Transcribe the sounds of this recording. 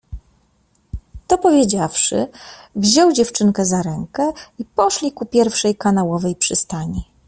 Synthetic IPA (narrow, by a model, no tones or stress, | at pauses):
t̪ɔpɔvʲjed͡ʑafʂɘ̰vʑɔwd͡ʑɛft͡ʂɘŋkɛzaɾɛŋkɛipɔʂlʲikupʲjɛɾfʂɛjkanawɔvɛjpʂɘst̪aɲi